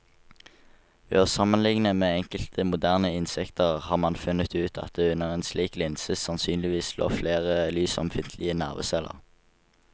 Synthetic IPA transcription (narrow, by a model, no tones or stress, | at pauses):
hø̰ːəʁsɑmənlɪŋnəmeːɛŋkəlt̪ʰəmʊd̪æːʁnəɪnsɛkt̪ʰəʁhɑːʁmɑnfʉnət̪ʉːt̪ʰɑ̰t̪̚d̪eːʉnəʁeːnsliːklɪnsəsɑnsyːnlɪʋiːslo̰ːfleːʁəlyːsɔ̰mfɪnt̪ʰlɪənæːʁʋə̰ːsɛlə̰ʁ